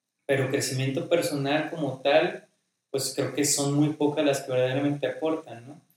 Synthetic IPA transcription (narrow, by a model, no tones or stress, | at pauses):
pe̞ɾokɾe̞simje̞nt̪o̞pe̞ɾso̞nalko̞mo̞t̪al | pwe̞skɾe̞oke̞so̞nmujpo̞kazlaskeβe̞ɾðaeɾame̞nt̪e̞apo̞ɾt̪anːo̞